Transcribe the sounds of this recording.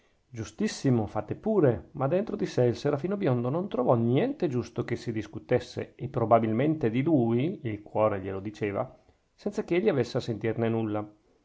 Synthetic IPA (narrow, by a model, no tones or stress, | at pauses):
d͡ʒust̪isːimofat̪ːepuːɾemad̪ːent̪ɾod̪iseilseɾafiːnobjond̪onont̪ɾovɔnjɛnt̪ed͡ʒust̪okesid̪iskut̪esːḛepːɾobabilment̪ed̪iluːjilkwɔːɾeʎelod̪it͡ʃeːva̰ | sɛnt̪sakeeʎːiavesːeasent̪irnenulːa